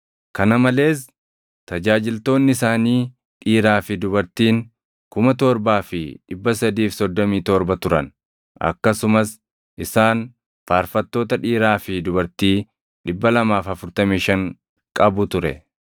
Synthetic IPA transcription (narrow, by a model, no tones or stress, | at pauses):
kɐnɐmɐle̞ːs | t̪ɐd͡ʒaːd͡ʒɪlt̪o̞ːnːɪɪsaːniː | ᶑiːɾaːfɪd̪ʊbɐɾt̪iːŋ | kʊmɐt̪ɔɾbaːfɪᶑɪbːɐs̬ɐd̪iːfsɔd̪ːɔmiːt̪ɔɾbɐt̪ʊɾɐn | ɐ̰kːɐsʊmɐs | ʔɪsaːn | faːɾfɐt̪ːo̞ːt̪ɐᶑiːɾaːfɪd̪ʊbɐɾt̪iː | ᶑɪbːɐlɐmaːfɐfʊɾt̪ɐmiːʃɐŋ | kʼɐbʊt̪ʊɾɛ̰